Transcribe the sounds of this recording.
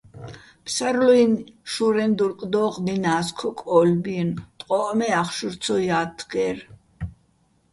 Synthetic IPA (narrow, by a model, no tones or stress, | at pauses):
pʰsaɾluinʃuɾɛnd̪uɾkʼd̪ɔːqʼninaːskʰɔkʼɔlbint̪ʼqʼɔʔmɛaχʃuɾt̪sʰɔjaːt̪ʰːɡɛɾ